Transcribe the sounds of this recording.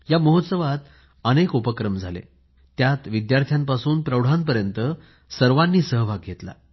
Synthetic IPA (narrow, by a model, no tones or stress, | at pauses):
jaməɦot̪səʋat̪ | ənekupəkɾəmd͡zʱalḛ | t̪jat̪ʋid̪jaɾt̪ʰjampasuːnpɾəwɽ̤anp̬əɾjənt̪ə | səɾʋanːiːsəɦbʱaɡːʱet̪la̰